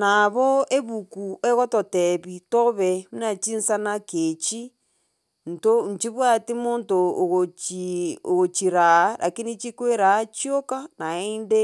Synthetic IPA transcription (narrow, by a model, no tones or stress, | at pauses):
naβoeβukueɣototeβitoβɛunat͡ʃinsanaket͡ʃi | n̩toɲ̩t͡ʃiβwatimontoɣot͡ʃioɣot͡ʃiɾaɾʔa̰kinit͡ʃikweɾat͡ʃjokanaende